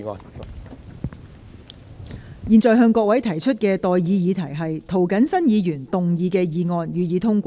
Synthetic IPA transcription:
jiː˨˧nt͡sɔː˨˧jɦœː˧ŋkɔː˧k̚wɐ˨˥jt̪ʰɐ˨˩jt͡ʃʰɵ˥t̚kɛː˧t̪ɔː˨jjiː˨˧jiː˨˧t̪ʰɐ˨˩jɦɐ˨jt̪ʰo˨˩wkɐ˨˥nsɐ˥njiː˨˧jyː˨˩nt̪ʊ˨ŋjiː˨˧kɛː˧jiː˨˧ŋɔː˧njyː˨˧jiː˨˧t̪ʰʊ˥ŋkʷ

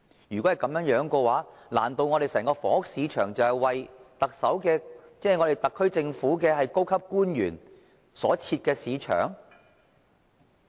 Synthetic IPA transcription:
jyː˨˩kɔ˨˥hɐ˨˩jkɐ˨˥mjœː˨˥ŋjœː˨˥ŋkɔː˧waː˨˥la̰ː˨˩nt̪o˧wŋɔː˨˧ɾe˨jsɛː˨˩ŋkɔː˧fɔ̰ː˨˥ʊ˥k̚siː˨˧t͡ʃʰœː˨˩ŋt͡sɐ˨whɐ˨jwɐ˨jt̪ɐ˨k̚sɐ˨˥wkɛː˧t͡sɛː˥˨ŋɔ˨˧ɾe˨jt̪ɐ˨kʰːɵ˥ɥt͡sɪ˧ŋfuː˨˥kɛː˧ɦɐ˨jko˥wkʰɐ˥p̚kuː˥njyː˨˩n | sɔ̰ː˨˥t͡sʰiː˧t̚kɛː˧siː˨˧t͡ʃʰœ̰ː˨˩ŋ

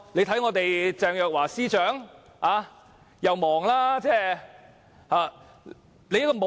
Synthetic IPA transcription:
le˨˧jt̪ʰɐ˨˥jŋɔː˨˧t̪e˨jt͡sɛː˨ŋjœː˨k̚waː˨˩siː˥t͡ʃœː˨˥ŋ | haː˨˧ | jɐ˨wmɔː˨˩ŋlaː˥t͡sɛː˥˩ | haː˨˧ | le˨˧jkːɔː˧mo˨

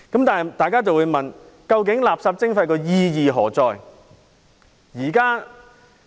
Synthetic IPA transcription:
kɐ˨˥mt̪aː˨n˨t̪aː˨jkaː˥t͡sɐ˨wuː˨˧jmɐ˨˩n | kɐ˧wk̬ɪ˨˥ŋlaː˨p̚saː˧p̚t͡sɪ˥ŋfɐ˧jkɔː˧jiː˧jiː˨ɦɔː˨˩t͡sɔː˨j | jiː˨˩kaː˥

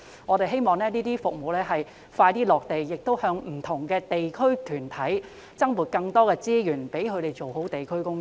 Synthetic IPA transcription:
ŋɔː˨˧ɾe˨jɦe˥jmɔː˨ŋlɛː˥niː˥t̪iː˥fʊ˨k̚mo˨˧wlɛː˥ɦɐ˨j | faː˧jt̪iː˥lɔː˨k̚t̪e˨jːɪ˨k̚t̪o˥whœː˧ŋm̩˨˩t̪ʰʊ˨˩ŋkɛː˧t̪e˨jkʰɵ˥ɥt̪ʰyː˨˩nt̪ʰɐ˨˥j | t͡sɐ˥ŋmuː˨˩t̚kɐ˧ŋt̪ɔː˥kɛː˧t͡siː˥jyː˨˩npe˨˥jkʰɵ˨˧ɾe˨jt͡ʃo˨who˨˥wt̪e˨jkʰɵ˥ɥkʊ˥ŋ

